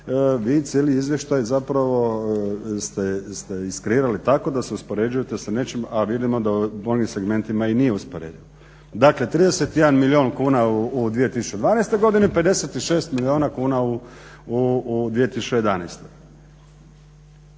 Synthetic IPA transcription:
ʋiːt̪sjeliizʋje̞ʃt̪ajzapɾaʋo̞ | st̪est̪eiskɾiɾalit̪ako̞d̪aseuspo̞ɾe̞d͡ʒujet̪e̞sane̞t͡ʃimaʋid̪imo̞d̪amoɡimse̞ɡme̞nt̪imainijeuspoɾḛd̪iʋo | d̪akle̞t̪ɾiːd̪eset̪jed̪anmilio̞ːnkuːnauːd̪ʋije̞t̪isu̥t͡ʃed̪ʋaːnajst̪ojɡo̞d̪inepe̞d̪e̞se̞t̪iʃe̞ːst̪milio̞ːnakuːnauud̪ʋije̞t̪isu̥t͡ʃejed̪anḛjst̪e̞

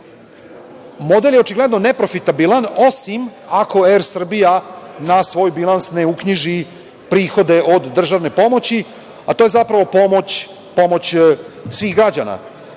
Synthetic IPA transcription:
mo̞d̪eljeo̞t͡ʃiɡle̞d̪nonepɾo̞fit̪abilano̞simakʰo̞eɾsr̩bijanasʋo̞ːjbilˠansneukɲiʒi | pɾiːxo̞d̪e̞ʔo̞d̪ːr̩ʒaʋne̞po̞mo̞t͡ɕi | at̪ojezapɾaʋo̞pomot͡ɕ | po̞mo̞t͡ɕsʋiːxɡɾad͡ʑana̰

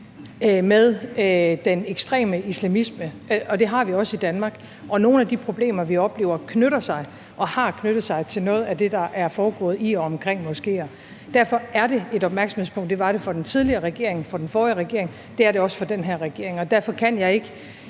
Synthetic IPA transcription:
meðˠd̥eneɡ̥sd̥ʁɛ̰ːməislæmismə | ʔɒ̽d̥e̝ɦɑ̈ʋiɒ̽səid̥ænmɑ̈ːɡ̥ | ʔɒ̽no̝ːn̩æd̥ipʰʁo̝b̥le̝̰ːmɐʋiɒ̽b̥le̝̰ːʊɐkʰnøɾ̥ɐsɑ̈ɪ | ʔɒ̽hɑ̈kʰnøɾ̥ð̩ˠsɑ̈ɪt͡sʰe̝lnɔ̽ːð̞̩ˠæd̥e̝d̥ɑ̈ʔæɐfɒːɡ̥ɔ̰̽ːð̩ˠiɒ̽ɒmkʰʁɛŋ̰mɔ̽sɡ̥e̝̰ːɒ | d̥æɐfɒ̽æɐɾe̝e̝ɾɒb̥mæɐɡ̥sm̩hḛspʰɔ̽ŋ̰d̥e̝ʋɑ̈ɾ̥e̝fɒ̽d̥ent͡sʰið̞ˠliɐːʁɛɡ̥e̝ɐ̰e̝ŋfɒ̽d̥enfɒːʁɛɡ̥e̝ɐ̰eŋ | d̥e̝æɐɾe̝ɒ̽sə̥fɒ̽d̥enɦeɐʁɛɡ̥e̝ɐe̝ŋɒ̽d̥æɐfɒ̽kʰæn̰jɑ̈ɪe̝ɡ̥ə

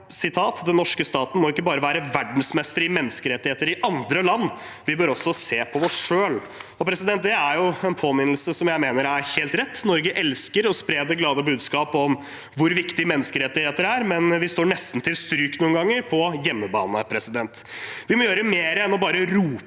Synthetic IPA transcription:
sɪt̪ʰɑːt̪d̪ɛnːɔʂkəst̪ɑːt̪n̩mɔʊɪkːəbɑːɾəʋæːɾəʋæɖɳ̩smɛst̪əɾɪmɛnːəskəɾɛt̪ːɪheːt̪əɾɪʔɑnd̪ɾəlɑnː | ʋɪbøːɾɔsːɔseːpʰɔɔsʂøːl | ɔpʰɾɛsɪd̪ɛnt̪̚d̪eæɾjʊɛnpʰoːmɪnl̩səsɔmjæɪmeːnəɾæɾheːlt̪ɾɛt̪ːnɔɾɡəʔɛlskəɾɔspɾeːd̪əɡlɑːd̪əbʉːd̪skɑːpɔm | ʋʊɾʋɪkt̪ɪmɛnːəskəɾɛt̪ːɪheːt̪əɾæɾmɛnʋɪst̪oːɾɳɛst̪n̩t̪ʰɪlst̪ɾyːknuːənɡɑŋːəɾpʰɔjɛmːəbɑ̰ːnəpʰɾɛsɪd̪ɛnt̪ | ʋɪmɔjøːɾəmeːɾəɛnɔbɑːɾəɾuː

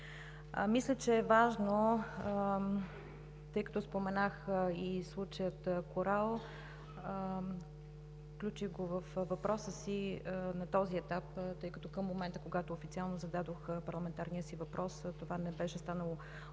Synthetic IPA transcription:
mislʲət͡ʃɛːvaʒno | t̪ɤjkɐ̥t̪ɔspomɛnaxislˠut͡ʃəjət̪əkoɾalˠ | fklʲut͡ʃiɣɡovəfvɐpɾɔsəsinɐt̪ɔziɛt̪apt̪ɤjkɐt̪ɔkəmːomɛnt̪əkoɡat̪oːfit̪sialˠnozɐd̪ad̪oxpɐɾlˠɐmɛnt̪aɾnijəsivɐpɾʔɔst̪ovanɛbɛʃɛst̪anəlˠo

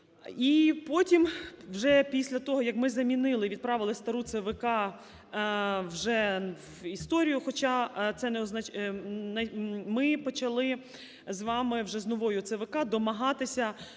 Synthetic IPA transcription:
ipɔtʲimwʒɛpʲisʲlʲɐt̪ɔɦɔjɐkmɪzɐmʲinɪlˠɪʋʲid̪̚pɾɑʋɪlˠɪst̪ɐɾut̪seʋɪkɑ | wʒɛ | ist̪ɔɾʲijʊxɔt͡ʃɑt̪sɛnɛɔznɐt͡ʃnɐmɪpɔt͡ʃɐlˠɪ | zʋɑmɪwʒɛznɔʋɔjʊt̪seʋɪkɑd̪ɔmɐɦɑt̪ɪsʲɐ

